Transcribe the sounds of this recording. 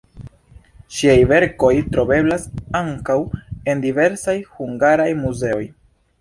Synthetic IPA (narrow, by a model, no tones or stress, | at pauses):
ʃiajve̞ɾko̞jtɾo̞be̞blasaŋkawe̞ndive̞ɾsajhuŋɡaɾajmuze̞o̞j